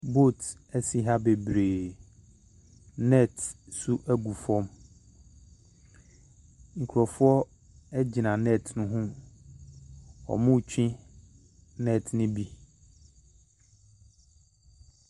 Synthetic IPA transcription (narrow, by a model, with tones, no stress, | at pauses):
bo˦˨t | æ˦si˨ɦa˦be˨bɾe˨ | nɛ˦˨tsu˦ʔæ˦ɡu˨fɔ̃˦m | ŋ̩˨kʰu˨ɾɔ˨fʊ˦ɔ˦ | ɛ˦d͡ʑɪ˨nã˨nɛ˦˨tʰnʊ̃˦ɦʊ̃˦ | ɔ̰˨mʊ̃˦˨t͡ɕᶣʰĩ˦ | nɛ˦˨tnʊ̃˦bi˦